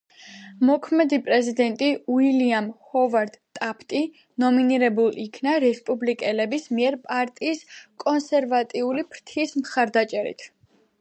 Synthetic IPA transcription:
mɔkʰmɛd̪ipʼɾɛzid̪ɛnt̪ʼiuiliamhɔvaɾd̪̥t̪ʼapʰt̪ʼi | nɔminiɾɛbulˠikʰnaɾɛspʼublikʼɛlɛbismiɛɾpʼaɾt̪ʼiːskʼɔnsɛɾvat̪ʼiulipʰɾt̪ʰiːsmχaɾd̪at͡ʃʼɛɾḭt̪ʰ

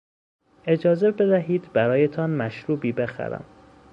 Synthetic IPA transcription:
e̞d͡ʒɒːze̞be̞d̪æɦiːd̪bæɾɒːjet̪ʰɒːnmæʃɾuːbiːbe̞xæ̰ɾæ̰m

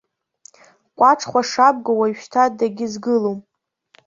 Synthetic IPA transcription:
kʷʼaʈ͡ʂʰχʷaʂab̚ɡawaʃᶣtʰadaɡʲɪzɡɨlowm

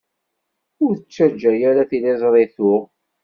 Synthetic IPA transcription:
ʊɾθət͡ʃːæd͡ʒːæjæɾaθilɪzˤɾˤeθʊ

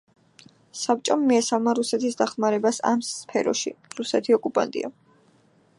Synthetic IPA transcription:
sap̚t͡ʃʼɔmːiɛsalˠmaɾusɛt̪ʰisd̪aχmaɾɛbasa̰mspʰɛɾɔ̰ʃḭɾusɛt̪ʰiɔkʼupʼa̰nt̪ʼḭa̰

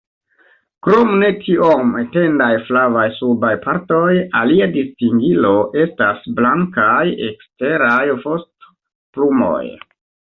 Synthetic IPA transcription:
kɾo̞mne̞tʰiomete̞ndajflavajsubajpʰaɾto̞jaliadistiŋɡilo̞ʔe̞stasblaŋkajḛkste̞ɾajvost | plumo̞̰j

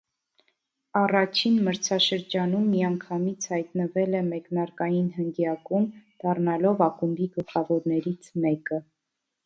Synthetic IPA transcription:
ɑrɑt͡ʃʰinməɾt͡sʰɑʃəɾd͡ʒɑnumːiɑŋkʰɑmit͡sʰhɑjt̪nəvɛlɛmɛknɑɾkɑjinɦənɡjɑkumd̪̥ɑrnɑlɔvɑkumbiɡəlχɑvɔɾnɛɾit͡sʰmɛkə

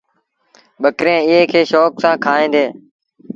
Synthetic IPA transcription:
ɓəkɾẽːɪeːkʰeːʃoːksãːkʰaːĩːd̪eː

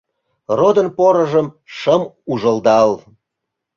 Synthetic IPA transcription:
rod̪ənpoɾəʒəm | ʃəmuʒəld̪ɑl

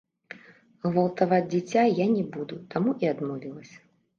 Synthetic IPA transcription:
ɣvɐlˠt̪avad͡zʲd͡zʲit͡sʲajanʲɛbud̪ut̪amuʔiad̪mɔvʲilˠɐsʲɐ̥

